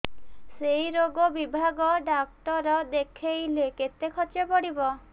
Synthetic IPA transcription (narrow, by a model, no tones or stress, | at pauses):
sejɾoɡɔbibʱaɡɔɖak̚ʈɔɾɔd̪ekʰejleket̪ekʰɔt͡ʃepɔɽibɔ